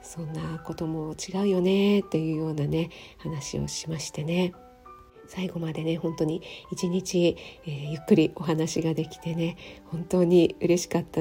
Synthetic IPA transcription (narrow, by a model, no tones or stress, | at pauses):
sõ̞nːako̞t̪o̞mo̞t͡ɕiɡaɯ̟jo̞ne̞t̪ːe̞jɯ̟ːjo̞ːnane̞hanaɕio̞̰ɕimaɕi̥t̪e̞ne̞ | saiɡo̞mad̪e̞ne̞hõ̞nt̪o̞ɲ̟iit͡ɕiɲ̟it͡ɕieːjɯ̟kːɯ̟ɾʲio̞ɦanaɕiɡad̪e̞kʲi̥t̪e̞ne̞hõ̞nt̪o̞ːɲ̟iɯ̟ɾe̞ɕi̥kat̪ːa